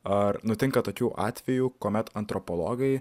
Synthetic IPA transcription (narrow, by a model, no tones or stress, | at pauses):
ɐɾnʊt̪ʲɪŋkɐt̪oːkʲuːʔɑ̰ːt̪ʲʋʲɛjuːkoːmʲɛt̪ɐnt̪ɾɔpolˠo̰ːɡɐɪ